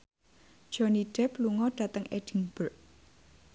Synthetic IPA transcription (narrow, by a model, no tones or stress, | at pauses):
d̥ʒ̥ɔniɖ̥ɛ̤pluŋɔɖ̥ä̤t̪əŋɛd̥iŋb̥ərʔ